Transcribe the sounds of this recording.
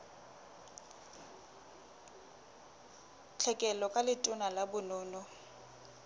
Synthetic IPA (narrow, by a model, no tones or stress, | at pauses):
t͡ɬʰɛkʼɛlɔkʼalɪtʼʊnalabʊnʊːnɔ